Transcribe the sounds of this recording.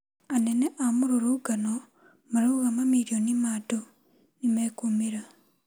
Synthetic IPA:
aneneʔamuɾoɾuɡano | maɾuɣamamiɾjonimato | nimekumiɾa

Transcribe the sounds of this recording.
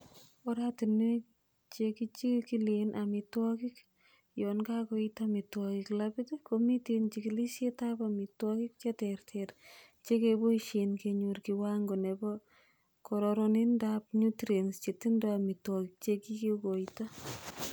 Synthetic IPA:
ɔɾatini | t͡ʃekit͡ʃikilenʔamɪtwɔkik | jɔnkakoitamɪtwɔkiklapɪtkomitent͡ʃikilisjetapamɪtwɔkik̚t͡ʃetɛrtʰɛr | t͡ʃekeboiʃenkeɲuɾkiwaŋɡonebɔ | kɔɾɔɾɔnindap̚ɲutɾenst͡ʃetindamitwɔkik̚t͡ʃekikikoita

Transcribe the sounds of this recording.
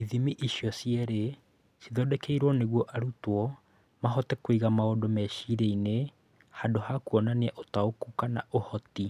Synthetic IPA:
iðimiʔiɕjɔsiɛɾe | siðɔdɛkeiɾwɔneɣwɔʔaɾutwɔ | maɦɔtɛkoiɣamaodomɛʃiɾeine | hadohakuɔnaneɛʔotaokukanaʔohɔti

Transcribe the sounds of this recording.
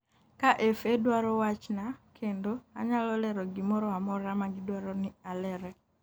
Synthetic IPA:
kaʔefedwaɾɔwat͡ʃnakʰendoa̰ɲalɔlɛɾɔɡɪmɔɾɔamɔɾamaɡɪdwaɾɔnɪalɛɾɛ

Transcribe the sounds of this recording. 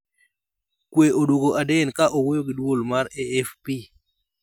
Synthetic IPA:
kweʔoduɡoʔadɛnkaʔowejoɡɪdwolmaɾɛːfpi

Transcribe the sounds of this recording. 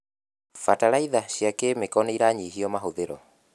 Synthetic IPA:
fatalaiðaʃiakemekɔneiɾaɲiɦiɔmaɦoðeɾɔ

